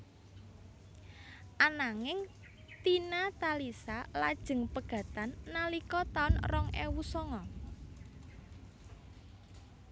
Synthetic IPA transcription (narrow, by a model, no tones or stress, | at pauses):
ʔanaŋɪŋ | t̪inat̪alisalad̥ʒ̥ə̤ŋpəɡ̥ä̤t̪anːalikɔt̪aʊnrɔŋḛwusɔŋɔ